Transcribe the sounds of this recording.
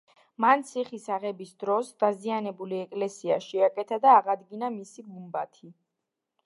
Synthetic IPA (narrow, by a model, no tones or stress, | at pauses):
mant̪sʰiχisaʁɛbisd̪ɾɔsd̪̥azianɛbuliɛkʼlɛsiaʃɛakʼɛt̪ʰad̪aːʁad̪ɡinamisiɡumbat̪ʰi